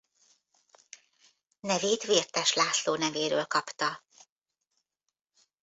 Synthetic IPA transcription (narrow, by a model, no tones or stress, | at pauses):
nɛveːt̪ʋeːrt̪ɛʃlaːsloːnɛveːɾøːlkɒpt̪ɒ